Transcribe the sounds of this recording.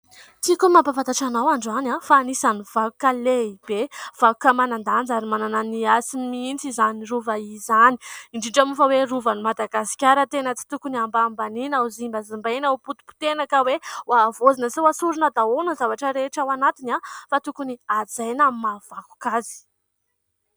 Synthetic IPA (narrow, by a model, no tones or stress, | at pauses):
t̪ikumapafat̪aʈ͡ʂanawaɳɖ͡ʐanafaːnisanivakukəleib̥ev̥aku̥kəmanand̪and͡zaɾimanananiasimint͡sizaniɾuvaizaniiɳɖ͡ʐiɳɖ͡ʐamufəweruvanimad̪aɡasi̥kʲaɾət̪enət͡si̥t̪ukuniambambaninauzimbəzimbanauput̪u̥pu̥t̪enakəwewavozinəsewasuɾunəd̪aonəzavaʈ͡ʂəɾeʈ͡ʂawanat̪inafat̪ukuniad͡zajnamav̥aku̥kazi̥